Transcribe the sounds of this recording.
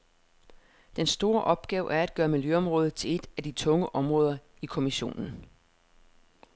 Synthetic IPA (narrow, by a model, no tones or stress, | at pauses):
d̥ensd̥o̝ːɐʔɒ̽b̥̚ɡ̥ɛːʊʔæɐæd̥ɡ̥ɶːɐmiljøɒ̽mʁɔ̽ːð̞̩ˠt͡sʰe̝le̝d̥æd̥it͡sʰɔ̽ŋəʔɒ̽mʁɔ̽ːð̞ˠɐ | ikʰo̝miɕo̝̰ːnn̩